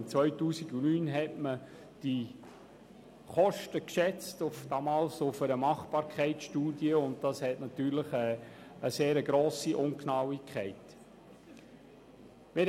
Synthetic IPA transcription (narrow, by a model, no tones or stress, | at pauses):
nt͡svœʏtuːsiɡunyːnɦɛtmə | d̥i | χɔʃtəkʃɛt͡stʊfd̥ɑːmɑːlsʊfəɾəmɑχb̥ɑːɾkʰɛɪtʃtuːdiəʊnt̚dɑshɛtnɑtyːɾləχɛəseːɾəɡɾoːsiʔʊŋknɑwikʰχæɪt | mɪɾ